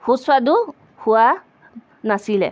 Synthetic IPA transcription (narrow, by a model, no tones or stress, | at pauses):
huswadu | hʊa | nasilɛ̰